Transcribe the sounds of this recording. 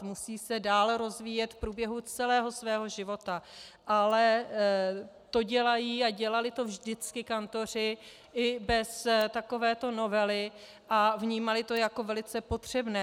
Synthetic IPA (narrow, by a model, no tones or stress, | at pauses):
musiːsɛdaːlɾo̞zviːjɛt̪fpɾuːbjɛɦut͡sɛlɛːɦo̞svɛːɦo̞ʒɪvo̞t̪aʔalɛ | t̪o̞ɟɛlajiːaɟɛlalɪt̪o̞vʒdɪt͡skɪkant̪o̞r̝ɪ | ʔɪbɛst̪ako̞vɛːt̪o̞no̞vɛlɪ | ʔavɲiːmalɪt̪o̞jako̞vɛlɪt͡sɛpo̞t̪r̝̥ɛbnɛː